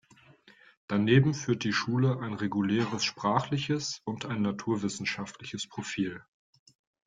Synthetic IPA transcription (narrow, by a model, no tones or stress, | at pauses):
d̥aneːbm̩fyːɐt̚d̥iːʃuːləʔaɪnʁeɡulɛːʁəsʃpʁ̥aːχlɪçəsʊntaɪnːatʰuːɐvɪsn̩ʃaftʰlɪçəspʁ̥ofiːl